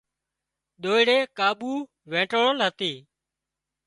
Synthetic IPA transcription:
ɗ̪oːɪɽeːkaːɓuː | ʋẽːʈoɽoːlɦət̪eː

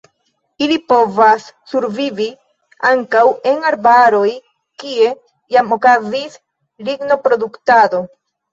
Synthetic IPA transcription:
ilipo̞vasːuɾvivi | aŋkawe̞naɾbaɾo̞j | kie̞ | jamo̞kazis | liɡno̞pɾo̞duktado̞

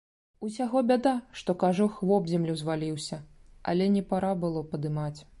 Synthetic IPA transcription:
usʲaɣɔbʲad̪aʂt̪ɔkaʐɔxlɔbzʲɛmlʲuzvalʲiwsʲɐɐ̰lʲɛnʲɛpaɾabɨlˠɔpɐd̪ɨmat͡sʲ

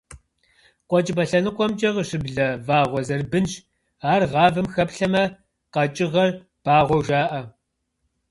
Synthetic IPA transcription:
qʷɔt͡ʃʼɪbɐɬɐnɨqʷʼɔmt͡ʃʼɐʁəɕɪbɮɐvaːʁʷɔzɐrbɨnɕ | aːrʁɑːvɐmxɐpɬɐmɐ | qɐt͡ʃʼɪʁɐr | b̥aːʁʷɔwʒaːʔɐ

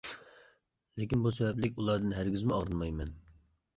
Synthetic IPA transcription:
lɪkʲinbusɛbɛplɪkʲulˠɑɾd̪ɨnɦæɾɡʲyzmɪɑʁɾɨnmɑjmɛn

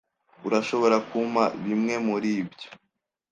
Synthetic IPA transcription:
uɾaʃo̞βo̞ɾakuma̰βimŋe̞muɾiːbjo̥

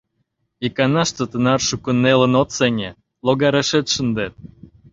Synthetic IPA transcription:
ikɑnɑʃt͡s̪ə̆t̪ə̆nɑrʃukunːelə̆not̪seŋʲe | loɣɑɾeʃet̪ʃənd̪et̪̚

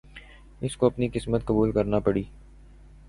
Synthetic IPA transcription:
ɪskoɐpniqɪsmət̪̚kɐbuːlkɐɾnapɐɽiː

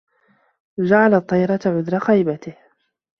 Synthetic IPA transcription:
d͡ʒaʕalt̪ˤːɑjɾˤɑt̪aʕʊðɾˤɑxajbat̪ɪh

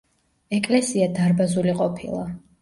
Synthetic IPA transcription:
ɛkʼlɛsiad̪aɾbazuliqʼɔpʰilˠa

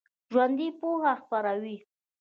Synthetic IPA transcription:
ʒwand̪ipohaxpaɾawi

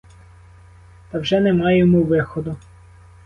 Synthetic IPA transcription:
t̪ɑwʒɛnemɑjemɔʋɪxɔd̪ʊ

